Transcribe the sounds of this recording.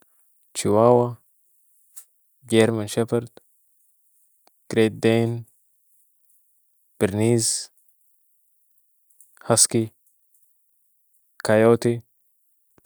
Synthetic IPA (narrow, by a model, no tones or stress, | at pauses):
t͡ʃɪwaːwɐ | ɡɛɾmɐnʃɛpɐɾd̪ | ɡ̥ɾeːt̪̚d̪ejn | b̥ɪɾniːz | hɐski | kɐjoːt̪i